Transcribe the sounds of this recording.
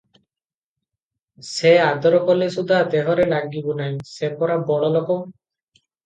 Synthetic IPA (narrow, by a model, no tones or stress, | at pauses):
sead̪ɔɾɔkɔlesud̪ʱad̪eɦɔɾelaɡibunajsepɔɾabɔɭɔlɔkɔm